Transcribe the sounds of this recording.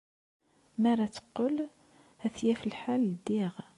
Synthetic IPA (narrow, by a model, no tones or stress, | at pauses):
mæɾˤat͡sːə̥qːəl | hæθjæfilħald̪iʁ